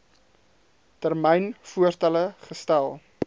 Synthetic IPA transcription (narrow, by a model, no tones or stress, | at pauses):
tərmɛjnfuərtɐləχəstælˠ